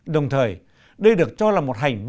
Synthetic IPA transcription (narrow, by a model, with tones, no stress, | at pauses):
ɗə˨˩wŋ͡mt̪ʰəː˨˩j | ɗə˧jɗɨ˨˩ə˩k̚t͡ɕɔ˧laː˨˩mo˨˩t̚ɦa˨˩jŋ̟vi˧